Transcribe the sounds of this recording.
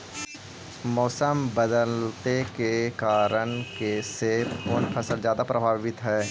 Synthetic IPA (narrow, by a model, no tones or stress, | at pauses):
mɔːsəmbəd̪əlt̪ekekaːɾənkeseːʊnpʰəsəlzjaːd̪apɾəbʱaːʋɪt̪ɦɛː